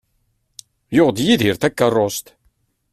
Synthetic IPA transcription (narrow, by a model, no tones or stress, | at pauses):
joʁd̪jiðiɾθækːɑrˤːost̪